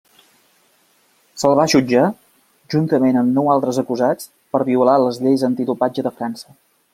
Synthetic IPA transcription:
səlˠβaʒud͡ʒa | ʒunt̪əmenəmnɔwalˠt̪ɾəzəkuzat͡s | pəɾβiulaləzʎejzənt̪iðupad͡ʒəðəfɾansə

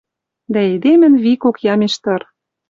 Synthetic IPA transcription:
d̪æed̪emɘ̆nβikokjɑmeʃt̪ɤ̆r

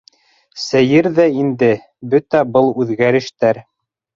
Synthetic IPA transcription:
sæjɘɾðæind̪ɘ | bɵt̪æbɤlˠʉðɡæɾɘ̆ʃt̪æɾ

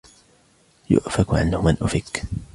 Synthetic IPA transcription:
jʊ̰ʔfakʕa̰nhʊmanʔʊfɪk

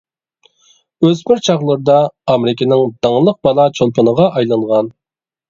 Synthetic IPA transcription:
øzbɪɾt͡ʃʰɑʁlˠəɾɨd̪ɑɑmɪɾɪkʲɪnɪŋd̪ɑŋəlˠəq̚bɑlˠɑt͡ʃʰolˠpʰənəʁɑʔɑjlˠɑɴʁɑn

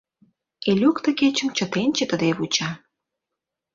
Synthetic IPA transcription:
elʲukt̪ə̆ket͡ɕə̆mt͡ɕə̆t̪enʲt͡ɕə̆t̪əd̪eβut͡ɕɑ

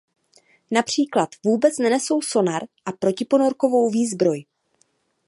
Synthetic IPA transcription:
napr̝̥iːklat̪vuːbɛt͡snɛnɛso̞wso̞naɾʔapɾo̞cɪpo̞no̞ɾko̞vo̞wviːzbɾo̞j

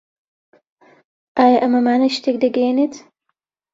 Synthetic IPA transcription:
ʔaːjɐʔɐmɐmaːnɐjʃt̪eːk̚d̪ɐɡɐjeneːt̪

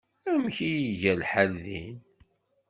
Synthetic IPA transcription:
æmçijiʝælħælðin

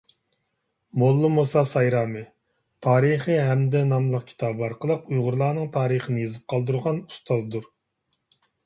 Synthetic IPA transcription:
molˠːɨmosɑsɑjɾɑːmɨ | t̪ʰɑːɾɨχɨɦɛmd̪ɛnɑmlˠəq̚kʲʰi̥t̪ʰɑbɑɾqəlˠəqujʁʊɾlˠɑːnɨŋt̪ʰɑːɾəχənɨjezɨp̚qʰɑlˠd̪uɾʁɑnu̥st̪ɑzd̪uɾ

